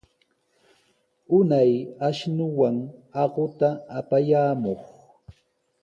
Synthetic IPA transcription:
ʊnajaʃnʊwaŋɑɢʊt̪aːpajaːmoχ

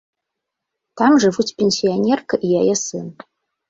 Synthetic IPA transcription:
tʰamʐɨvutʰpʰʲenʲsionʲerkʰɨʔijajɐsɨn

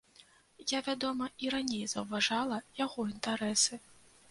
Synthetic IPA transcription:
javʲad̪ɔmɐiɾanʲejzɐwvaʐalˠɐjaɣɔint̪aɾɛsɨ

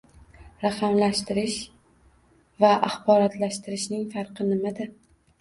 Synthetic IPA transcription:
ɾaqʰɑmlaʃt̪ɪɾɪʃ | vaʔaχbɒɾɒt̪ʰlaʃt̪ɪɾɪʃnɪŋfɑɾqɨnɪmad̪ɪ

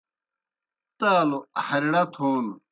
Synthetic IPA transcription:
t̪aːluhɐɾiɽɐt̪ʰoːn

